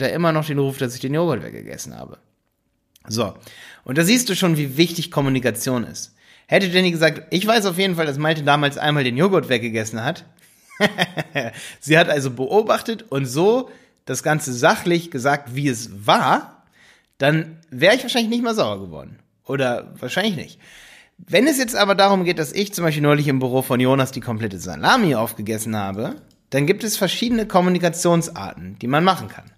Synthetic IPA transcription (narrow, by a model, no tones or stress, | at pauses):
jaʔɪmɐnɔχd̥eːnʁuːfd̥as̬ɪçd̥eːnjoːɡɔtvɛ̰ɐk̚ɡə̰ɡ̥ɛ̰sn̩ha̰ːbə̰ | zo̰ːʔʊ̰nt̚d̥aːziːst̚d̥uːʃoːnviːvɪçtɪçkʰɔmunikat͡sjoːnɪ̰st | hɛtədɛɐniːɡəzaːk̚tʔɪçv̥aɪsaʊfjeːdn̩faldas̬maltədaːmaːlsʔa̰ɪnmaːldeːnjoːɡɔtv̥ɛɐk̚ɡ̥əɡɛsn̩hat | z̥iːhatʔalzobəʔoːbaχtətʔʊntz̥oː | d̥asɡ̥ant͡səzaχlɪçɡ̥əzaːk̚tv̥iːɛsvaːɐ | d̥anvɛːʁəɪçv̥aɐʃaɪlɪçnɪçtmaːɐlzaʊbɐɡəvɔ̰ɐdn̩ | ʔoːɾɐvaːɐʃaɪnlɪçnɪ̰çt | vɛnɛsjɛt͡stʔaːbɐdaːʁ̞ʊmɡeːt̚d̥asɪçt͡sʊmaɪʃ̬pilnɔʏlɪçɪmbyʁoːfɔnjoːnasd̥iːkʰɔmplɛtəza̰laːmiʔaʊfɡ̥əɡɛsn̩ha̰ːbə | d̥anɡiːp̚tɛsfɛɐʃiːdənəkʰɔmunikat͡sjoːnsʔa̰ːɐtn̩d̥iːmanmaχn̩kʰa̰n